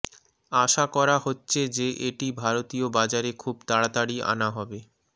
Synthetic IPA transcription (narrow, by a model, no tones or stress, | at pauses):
aʃakɔɾahotːɕʰed͡ʑeʔeʈibʱaɾot̪iobad͡ʑaɾekʰubt̪aɽat̪aɽia̰naɦɔbe